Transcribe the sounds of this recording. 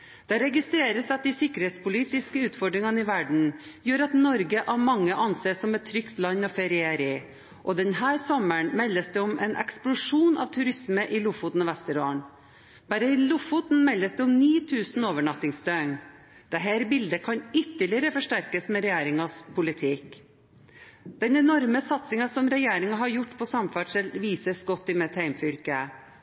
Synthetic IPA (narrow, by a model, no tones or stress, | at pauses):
d̪̥ɛɾɛɡɪst̪ɾeːɾəsɑt̪̚d̪ɪsɪkːəɾheːt̪spʊliːt̪ɪskəʉːt̪fɔɖɾɪŋɑnəɪʋæɖɳ̩jøːɾɑt̪nɔɾɡəʔæmɑŋːəʔɑnseːsɔmɛt̪t̪ʰːɾʏkt̪lɑɲːɔfɛɾɪæɾɪ | ʔɔd̪ɛnhæːɾsɔməɳmɛlːəsd̪ɛʊmɛːnʔɛ̰ksplʊʂuːnʔɑ̰ːʋt̪ʰʉɾɪsməʔɪlʊfʊt̪n̩ɑʋæst̪əɾoːəɳ | b̥æːɾəɪlʊfʊt̪n̩mɛlːəsd̪ɛʊmniːt̪ʰʉːsn̩oːʋəɳɑt̪ɪŋst̪œŋ | d̪̥ɛɦæːɾbɪld̪əkʰɑɲʏt̪ːəɭɪəɾəfɔʂʈæɾkəsmeːɾɛjeːɾɪŋɑspʰʊlɪt̪ʰɪk | d̪̥ɛnɛnɔɾməsɑt̪sɪŋɑsɔmɾɛjeːɾɪŋɑɦɑɾjʊʈːpʰɔsɑmfæːʈʂɛlʋiːsəsɡɔt̪ːɪmɛt̪ʰhæɪmfʏɾkə